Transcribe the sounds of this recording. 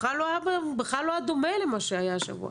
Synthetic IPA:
alːoabebexlalːojad̪omelemaʃeajaʃa̰vṵa̰

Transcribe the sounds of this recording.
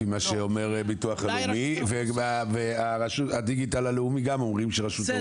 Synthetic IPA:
imaʃeo̞me̞ʁbituaχaleumiveaveaʁaʃuad̪iɡitalaleumiɡamo̞mʁimʃeʁaʃut̪e

